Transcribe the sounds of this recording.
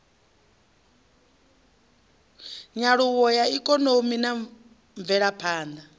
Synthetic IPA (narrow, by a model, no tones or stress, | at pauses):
ɲaɺuwɔjaikʼɔnomina | ɱvɛɺapʰaːnd̪a